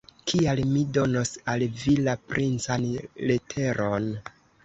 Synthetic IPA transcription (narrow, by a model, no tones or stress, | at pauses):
kʰialmido̞nosalvilapɾʔint͡sanletʰe̞ɾʔon